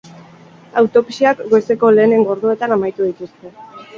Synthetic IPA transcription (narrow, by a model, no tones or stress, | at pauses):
awt̪o̞pi̥siakɡojse̞ko̞le̞ːne̞ŋɡo̞ɾðue̞t̪anamajt̪uð̞it̪ust̪e̞